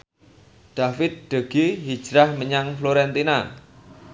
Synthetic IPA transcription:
ɖ̪̥a̤fɪt̪̚ɖ̪̥ə̤ɡ̥iɦi̥d͡ʒ̥ɾahməɲaŋfloɾɛnt̪ina

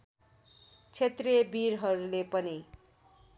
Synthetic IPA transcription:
t͡sʰet̪rebiɾɦʌɾulepʌni

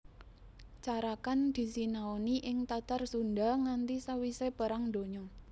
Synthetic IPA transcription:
t͡ʃaɾakand̪̥i̤sinaoniʔɪŋt̪at̪arsund̪aŋant̪isawisepəɾaŋd̪o̤ɲɔ

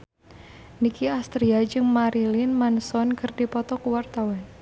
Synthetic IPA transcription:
nikiast̪ɾiad͡ʒɨŋmaɾilɪnmansɔnkɨrdipɔt̪ɔkuwart̪awan

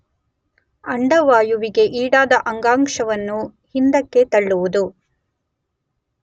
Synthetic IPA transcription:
ɐɳɖɐʋaːjuʋiɡe̞ʔiːɽaːd̪ɐʔɐŋɡaːŋkʂɐʋɐnːuhind̪ɐkːe̞t̪ɐɭːuʋud̪u

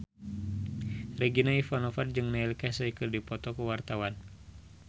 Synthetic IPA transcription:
rɛɡinaifanofard͡ʒɨŋnailkasaikɨrdipɔt̪ɔkuwart̪awan

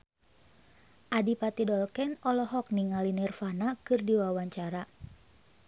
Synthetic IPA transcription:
ʔadipat̪idɔlkɛnɔlɔɦɔk̚niŋalinɛrfanakɨrdiwawaɲt͡ʃaɾa

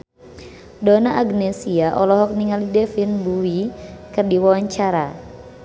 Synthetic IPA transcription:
dɔnaʔaɡnɛsiaʔɔlɔɦɔk̚niŋalidɛfinbuikɨrdiwawaɲt͡ʃaɾa

